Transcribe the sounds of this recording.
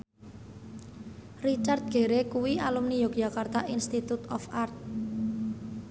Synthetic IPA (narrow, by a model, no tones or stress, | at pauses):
rit͡ʃart̪̚ɡ̥e̤ɾekuwialumnijok̚d͡ʒ̥a̤kart̪aʔinst̪it̪ut̪ɔfart̪̚